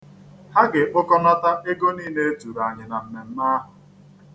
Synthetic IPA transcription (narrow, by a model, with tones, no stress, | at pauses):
ha˦ɡɪ˨ʔʊ˦kɔ˦na˦ta˦e˦ɡo˦niː˦ne˦e˦tu˨ɾa˨ɲɪ˨na˨m̩˨me˨m̩˦na˦ɦʊ˨